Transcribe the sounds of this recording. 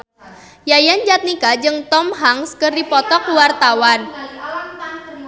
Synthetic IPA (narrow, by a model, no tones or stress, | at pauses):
jajand͡ʒat̪̚nikad͡ʒɨŋt̪ɔmɦaŋskərdipɔt̪ɔk̚wart̪awan